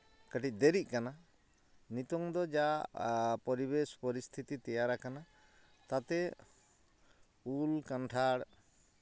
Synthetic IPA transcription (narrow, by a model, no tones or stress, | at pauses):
kəʈic̚ˀd̪eɾic̚ˀkana | nit̪ɔŋd̪ɔd͡ʒaʔpɔɾibespɔɾist̪ʰit̪it̪ɛjaɾakana | t̪at̪ɛ | ulkanʈʰaɽ